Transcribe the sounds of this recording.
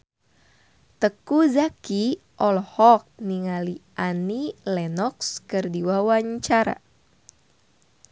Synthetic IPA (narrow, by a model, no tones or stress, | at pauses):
t̪əkuzaki | ʔɔlhɔk̚niŋaliʔanilɛnɔkskɨrdiwawaɲt͡ʃaɾa̰